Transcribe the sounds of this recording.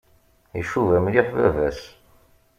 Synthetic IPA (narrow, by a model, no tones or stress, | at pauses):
ḭʃuvæmliħvæ̰væs